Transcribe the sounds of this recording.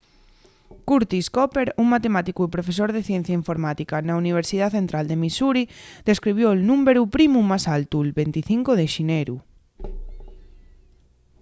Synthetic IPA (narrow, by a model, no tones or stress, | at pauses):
kuɾt̪iskɔpeɾuŋmat̪emat̪ikuepɾofes̬oɾðeθjɛn̟θjaiɱfoɾmat̪ikanauniβ̞eɾsiðaθent̪ɾald̪emisuɾiðeskɾiβ̞jolnũmbeɾupɾimũmasalt̪ulβent̪iθiŋkoðeʃineɾu